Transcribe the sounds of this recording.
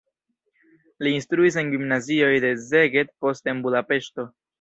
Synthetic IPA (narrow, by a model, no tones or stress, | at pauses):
liːnst̪ɾuis̬e̞nɡimnazio̞jd̪e̞zeɡe̞t̪̚po̞ste̞nbudape̞ʃto̞